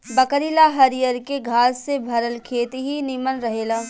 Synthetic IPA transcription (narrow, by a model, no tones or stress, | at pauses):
bəkəɾilaɦɐɾijəɾkeɡʱaːsːebʱɐɾəlkʰeːt̪iɦinɪmənɾɐɦeːlaː